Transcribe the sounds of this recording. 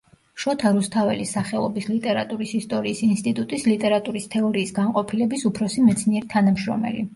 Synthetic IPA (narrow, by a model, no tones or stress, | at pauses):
ʃɔt̪ʰaɾust̪ʰavɛ̰lisaχɛlˠɔbislit̪ʼɛɾat̪ʼuɾisist̪ʼɔɾiːsinst̪ʼit̪ʼut̪ʼislit̪ʼɛɾat̪ʼuɾist̪ʰɛɔɾiːsɡanqʼɔpʰilɛbisupʰɾɔsimɛt̪sʰniɛɾit̪ʰanamʃɾɔ̰mɛ̰li